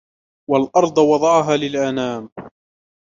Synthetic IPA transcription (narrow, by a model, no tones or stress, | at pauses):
walʔɑɾˤd̪ˤwɑd̪ˤɑʕɦaːlɪlʔanaːm